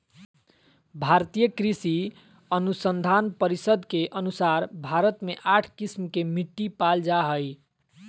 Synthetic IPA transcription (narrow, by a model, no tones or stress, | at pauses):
bʱaɾt̪ijəkɾisi | ənusənd̪ʱanpəɾisəd̪ʱkeʔənusaɾbʱaɾət̪meʔaʈʰkismkemiʈːipald͡ʒaɦəj